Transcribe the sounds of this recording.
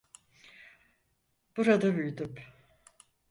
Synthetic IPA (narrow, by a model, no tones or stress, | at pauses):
b̥uɾad̪abyjd̪ym